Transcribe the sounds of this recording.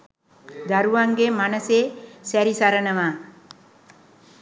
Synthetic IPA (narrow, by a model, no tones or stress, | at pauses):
d̪aɾuʋaŋɡemanəseːsæɾisaɾənəmaː